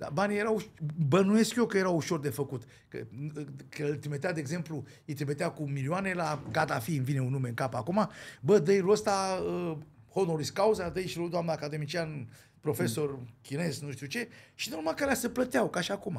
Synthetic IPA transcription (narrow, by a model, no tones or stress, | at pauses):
d̪a̰banijeɾawbənuje̞skʲjokəje̞ɾawuʃo̞rd̪e̞fəkut̪ | kə̰klt̪ɾimet̪ead̪eːɡze̞mplu | ijt̪ɾimet̪eakumiliane̞laɡat̪afiɨnvine̞unume̞ɨŋkapakumabəd̪əjluəst̪aəhonoɾiskauzad̪əiʃlud̪oamnaːkad̪e̞mit͡ʃian | pɾo̞fe̞so̞rkʲine̞znuʃt̪iut͡ʃe̞ʃinuɾmakalʲasəplət̪eawkaʃiakuma